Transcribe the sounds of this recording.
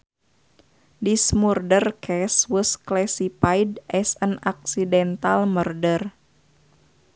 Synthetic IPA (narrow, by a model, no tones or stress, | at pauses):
dismurdərkʰɛswəsklɛsipajdʔɛsənak̚sidɛnt̪almərdər